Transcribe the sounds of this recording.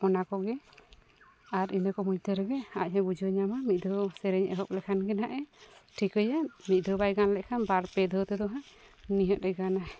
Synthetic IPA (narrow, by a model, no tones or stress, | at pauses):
ɔnakɔɡɛ | aɾinəkɔmuɲt̪ʰəɾɛɡɛa̰ʔ̚ɦɛ̃bud͡ʒɔɲamamit̪̚ˀd̪ʱɔsɛɾɛɲɛ̰ɦɔp̚lɛkʰanɡɛnaʔɛʈʰikəjanmic̪̚ˀd̪ʱɔbajɡanlɛʔkʰanbaɾpɛd̪ʱəwt̪ɛd̪ɔɦaniɦɔʔ̪̚lɛɡana